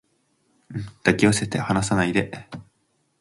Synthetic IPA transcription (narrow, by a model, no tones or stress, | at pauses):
d̪̥akʲiose̞t̪ehanas̬anaid̪e̞